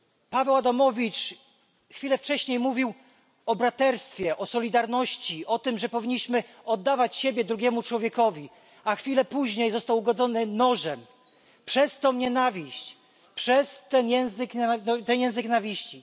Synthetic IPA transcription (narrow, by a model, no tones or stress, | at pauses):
pavɛwad̪amɔvʲit͡ʂ | xfʲilɛft͡ʂɛɕɲejmuvʲiw | ɔbɾat̪ɛɾst̪fʲjɛʔɔsɔlʲid̪aɾnɔɕt͡ɕiʔɔt̪ɘmʐɛpɔvʲiɲːiɕmɘ | ɔd̪ːavat͡ɕɕebʲjɛd̪ɾuɡʲjɛmut͡ʂwɔvʲjɛkɔvʲi | axfʲilɛpuʑɲejzɔst̪awuɡɔd̪zɔnɘnɔʐɛm | pʂɛst̪ɔmɲɛnavʲiɕt͡ɕ | pʂɛst̪ɛnjɛ̃w̃zɘk̪t̪ɛnjɛ̃w̃zɘknavʲiɕt͡ɕi